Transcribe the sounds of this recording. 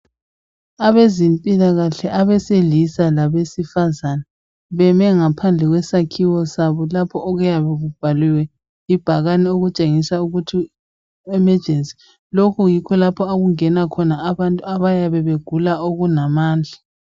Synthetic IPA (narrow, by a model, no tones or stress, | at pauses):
aβezimpʼilaɣaɬɛʔaβɛseɮisalaβesifazana | βɛmɛŋapʰand͡ɮʱɛɣwɛsakʰiwɔsaβɔlapʰɔʔːɣujaβɛɣub̥ʱaliwɛ | ib̥ʱaɣanɛoɣut͡ʃʼeŋisauɣutʰi | ɛmɛ̥ʒ̥ʱensʼi̥ | lokʰujikʰɔlapʰɔaɣuŋɛnakʰɔnaːβantʼuaβajaβɛβeɡ̥ʱulaoɣunamaːnd͡ɮʱa